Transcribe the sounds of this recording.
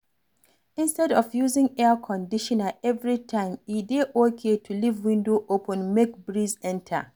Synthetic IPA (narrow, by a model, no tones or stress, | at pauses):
ĩnstɛdɔfjuzɪ̃ŋɛəkʰɔ̃ndiʃɔ̃nəɛvɹitʰãɪ̃mideʔokʰetʰulivwĩndoʔopə̃nmek̚bɹizɛ̃ntʰə̰